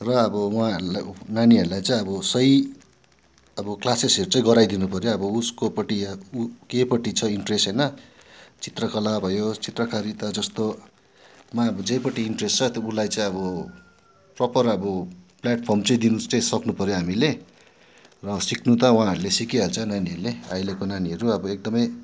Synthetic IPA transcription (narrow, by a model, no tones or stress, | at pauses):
rʌːbʌwã̰naniʌɾulajt͡saĩʌbʌsʌj | ʌbʌklaseseɾut͡sʌĩɡʌɾajd̪inupʌɾjoʌbʌuskopʌʈiukepʌʈit͡sʰʌiɳʈresʈɦʌjnʌ | t͡sit̪rʌkʌlabʱʌjot͡sit̪rʌkaɾit̪ʌd͡zʌst̪o | maʌbʌd͡zʌjpʌʈiːɳʈrest͡sʰʌt̪oulajt͡sãĩʌbʌ | prʌpʌrʌbʌpljaʈ̚pʰʌrmt͡sʌĩd̪inust͡saĩsʌknupʌɾjoɦamile | rʌsiknut̪ʌw̃ãːɦʌɾulesikiɦʌlt͡sʌnaniʌɾulea̰jlekonaniɦʌɾuʌbʌek̚d̪ʌmʌj